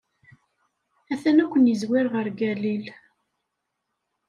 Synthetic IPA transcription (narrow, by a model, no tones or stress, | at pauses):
æθænækʷənjəzwɪɾʁəɾɡælil